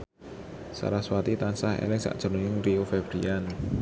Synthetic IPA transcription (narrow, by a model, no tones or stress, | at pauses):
sa̰ɾahswat̪it̪ansahḛlɪŋsa̰ʔd̥ʒ̥ɔ̤nuɲɪŋriofɛb̥ɾian